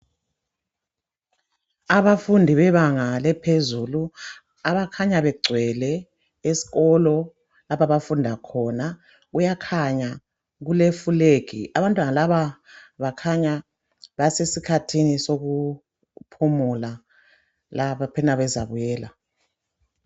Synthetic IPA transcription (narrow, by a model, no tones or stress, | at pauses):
aβafundʱiβɛβaŋalɛpʰezulu | aβakʰaɲaβɛɡ͡ǀʱwɛlɛ | esi̥ɣɔlɔ | lapaβafundʱakʰɔna | ujakʰaɲa | ɣulefuleːkʰḭaβantʼwanalaβaβakʰaɲa | βasesikʰatʰinisoɣu | pʰumula | laβapʰɛnaβɛza̰βujɛːla̰